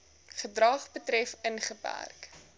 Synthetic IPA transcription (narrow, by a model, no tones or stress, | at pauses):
χədrɐχbətrɛfənχəpæ̰rk